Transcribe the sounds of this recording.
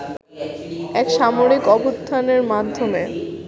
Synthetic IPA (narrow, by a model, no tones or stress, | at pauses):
ɛkʃamoɾikɔbost̪ʰaneɾmad̪ʱːome